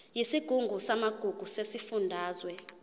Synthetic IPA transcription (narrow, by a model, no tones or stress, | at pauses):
jisiɡ̥ʱuŋɡʱusamaɡ̥ʱuɡ̥ʱusesifundʱaːzwɛ